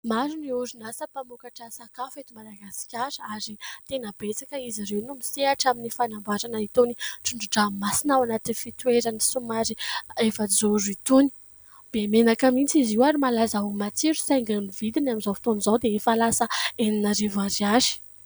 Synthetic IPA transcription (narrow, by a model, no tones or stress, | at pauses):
maɾuniuɾunasəpamukaʈ͡ʂəsakafet̪umalaɡasi̥kʲaɾəaɾit̪enəbet͡sakəiziɾewnumiseaʈ͡ʂaminifanambaɾanait̪oniʈ͡ʂuɳɖ͡ʐuɖ͡ʐamasinawanat̪inifit̪weɾənisumaɾiefazouɾit̪uni̥ | b̥emenakamit͡siziwaɾimalazaumat͡siɾu̥sajŋɡanivid̪inaminzawfi̥t̪onzawd̪eefalasəeninaɾivaɾiaʒi̥